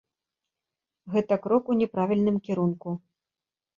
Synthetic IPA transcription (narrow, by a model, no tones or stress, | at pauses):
ɣɛt̪ɐkɾɔkunʲɛpɾavʲilʲnɨmkʲɛɾunku